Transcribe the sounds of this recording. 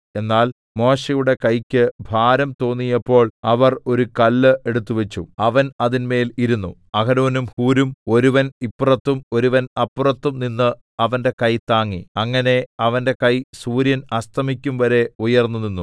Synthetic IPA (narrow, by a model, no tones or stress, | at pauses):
e̞nːaːl | mo̞ːɕɐjuɽe̞kɐjkʲːɨbʱaːɾɐmt̪o̞ːnːijɐpːo̞ːɭɐʋɐro̞ɾukɐlːɨʔe̞ɽut̪ːuʋet͡ɕːuɐʋɐnɐðinme̞ːliɾunːu | ɐɡɐɾoːnumhuːɾumo̞ɾuʋɐnipːrɐt̪ːumo̞ɾuʋɐnɐpːurɐt̪ːumninːɨ | ɐʋɐnde̞kɐjt̪aːŋːiɐŋːɐne̞ɐʋɐnde̞kɐjsuːɾjɐnɐst̪ʰɐmikʲːumʋɐɾe̞ujɐrnːuninːu